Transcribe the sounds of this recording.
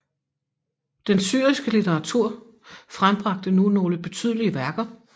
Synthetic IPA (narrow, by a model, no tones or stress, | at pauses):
d̥ensy̰ːɐisɡ̥əlit͡sʰeʁɑ̈t͡sʰuɐ̰ | fʁamb̥ʁɑ̈ɡ̥̚d̥ənuno̝ːləb̥e̝t͡sʰy̰ð̞ˠliəʋæɐɡ̥ɐ